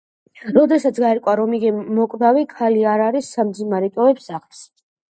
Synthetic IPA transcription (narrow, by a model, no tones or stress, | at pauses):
ɾɔd̪ɛsat̪sɡaɛɾkʼwaɾɔmiɡɛmɔkʼd̪avikʰaliaɾaɾisːamd̪zinaɾɛt̪ʼɔɛpsaχls